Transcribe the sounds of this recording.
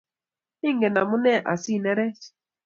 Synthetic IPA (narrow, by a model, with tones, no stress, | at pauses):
i˦ŋ˨ɡe˨na˨mu˦nɛ˦˨ʔa̰˨si˦˨nɛ˦ɾɛ˦s